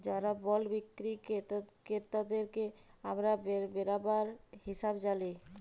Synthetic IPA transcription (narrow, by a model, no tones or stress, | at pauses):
d͡ʑaɾabɔlbikːɾikkeɾt̪ad̪eɾkeamɾabeɾbeɾabaɾhiʃabd͡ʑali